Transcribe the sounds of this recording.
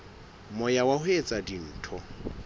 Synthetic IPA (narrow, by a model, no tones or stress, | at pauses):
mʊjawahʊet͡sʼadin̩ːtʰɔ